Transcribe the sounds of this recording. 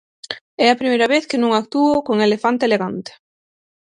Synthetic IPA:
ɛɐpɾimejɾaβeθkɪnũŋak̚t̪uokoŋelefant̪eːleɣant̪e̥

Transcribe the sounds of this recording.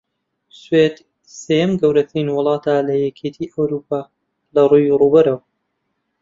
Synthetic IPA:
swed̪ | seːjɐmɡɐwɾɐt̪ʰɾinwɨlˠɑːt̪ʰaːlɐjɛkʰet̪ʰiʔɐwɾuːpʰaː | lɐruːjruːbɐɾɐw

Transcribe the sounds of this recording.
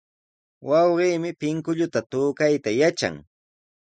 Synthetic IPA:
wʔɑwɢiːmɪpɪŋkʊʎʊt̪at̪ʊːkajt̪ajat͡ʃa̰ŋ

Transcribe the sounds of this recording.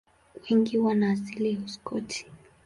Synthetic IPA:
wɛŋɡiwanaːsiliɔskɔtʰi̥

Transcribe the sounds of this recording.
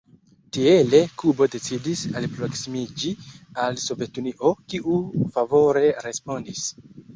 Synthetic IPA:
tiele̞kubo̞de̞t͡sidisalpɾo̞ksimid͡ʒialso̞ve̞tuniʔo̞kiʔufavo̞ɾe̞ɾe̞spo̞ndis

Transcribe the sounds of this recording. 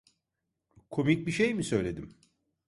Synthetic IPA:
kʰo̞mic̚biʃejmisø̞jlʲe̞d̪im

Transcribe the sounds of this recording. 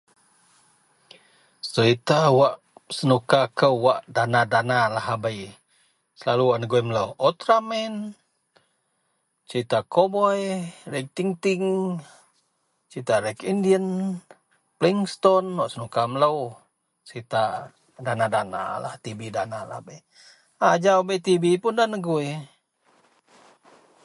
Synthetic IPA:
səɾit̪awaʔ | sənukakəwaʔdanadanalaɦabaj | səlaluwaʔnəɡoimləwʔɔt̪ɾamɛn | t͡ʃəɾit̪akobɔjɾek̚t̪iŋt̪iŋ | t͡ʃit̪aɾekindiən | pliŋst̪ɔnwaʔsənukamləw | t͡ʃit̪a | danadana̰la̰ht̪ibidanalahbəj | ad͡ʒaabəjt̪ibipʊndanəɡue

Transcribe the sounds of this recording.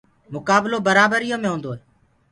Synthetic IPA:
mʊkaːbloːbəɾaːbəɾijõːmẽɦũːnd̪oːeː

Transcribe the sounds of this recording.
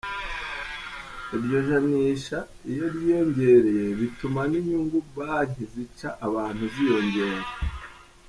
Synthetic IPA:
iɾjo̞ʒaniːʃa | ijo̞ɾjijo̞ɲɟe̞ɾe̞je̞βitumaniɲuŋɡubaːɲizicaʔːβaːnhuzijo̞ɲɟe̞ːɾa

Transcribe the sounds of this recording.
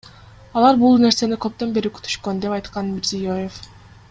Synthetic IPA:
ɑlˠɑɾbulˠne̞ɾse̞nikø̞p̚t̪ø̞mbe̞ɾykʰy̥t̪ʰy̥ʃkø̞nd̪e̞pɑjt̪qɑnmʲiɾzijo̞jef

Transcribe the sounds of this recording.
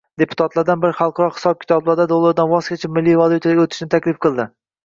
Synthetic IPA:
d̪e̞pʰʊ̥t̪ʰat̪laɾd̪anbɪɾɪχɑlˠqʰɒɾɒχɪ̥sɒb̚kʲʰɪ̥t̪ʰɒblˠaɾd̪ad̪olˠːaɾd̪anvɒskʲʰat͡ʃʰamɪlːivalˠut̪ʰaot̪ʰɪ̥ʃnɪt̪ʰakʲlɪfqʰɨlˠd̪ɪ

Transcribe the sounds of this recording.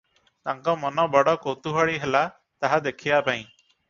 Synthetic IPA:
t̪aŋkɔmɔnɔbɔɽɔkowt̪uɦaɭiɦela | t̪aɦad̪ekʰiapaĩ

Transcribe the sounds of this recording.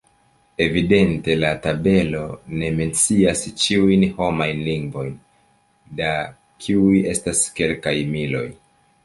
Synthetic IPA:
e̞vide̞nte̞latabe̞lo̞ne̞me̞nt͡siast͡ʃiujnho̞majnliŋɡvo̞jn | da | kʰiuje̞staske̞lkajmilo̞̰j

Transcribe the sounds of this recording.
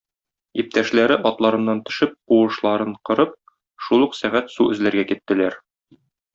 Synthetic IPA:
ip̚t̪æʃlæɾɘʔɒt̪lˠɑɾɤ̆nːɑnt̪ɵ̆ʃɘp̚quwɤ̆ʃlˠɑɾɤɴqɤ̆ɾɤp̚ | ʃulˠuqsæʁæt̪suʔɵ̆zlæɾɡækit̪ːɘ̆læɾ

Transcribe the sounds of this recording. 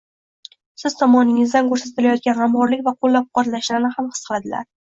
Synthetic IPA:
sɪzt̪ʰɒmɒnɪŋɪzd̪ankʰɵɾsat̪ɪlajɒt̪̚ɡʲanɾamhɒɾlɪkʲvaqʰolˠːap̚qɒt̪laʃlaɾnɪhamhɨ̥sqʰɨlˠad̪ɪla̰ɾ

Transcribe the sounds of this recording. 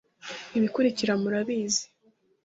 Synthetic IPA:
iβikuɾiciɾamuɾaβiːzi̥

